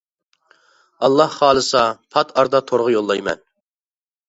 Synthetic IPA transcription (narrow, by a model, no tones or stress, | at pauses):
ɑlˠːɑhχɑːlˠɨsɑpʰɑt̪ʰɑɾd̪ɑt̪ʰoɾʁəjolˠːɑjmɛ̰n